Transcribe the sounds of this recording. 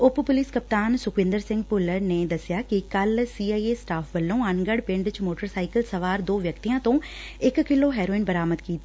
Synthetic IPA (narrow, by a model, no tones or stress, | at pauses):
ʊppʊlɪskəp̚t̪aːnsʊkʋɪ̃nd̪əɾsɪ̃ŋɡpʊləɾneːd̪əsɪjaːkɪkəlsiːaːiːeːsʈaːpʰʋəlːõːənɡəɽpɪ̃ɳɖɪt͡ʃmoːʈəɾsaːikəlsəʋaːɾd̪oːʋjəkt̪iːãːt̪õː | ɪkkːɪlːoːɦɛːɾoːɪnbəɾaːməd̪kiːt̪a